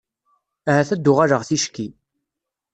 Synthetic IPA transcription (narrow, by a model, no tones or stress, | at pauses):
æhæθæd̪ːʊʁaɾəʁθiʃkːi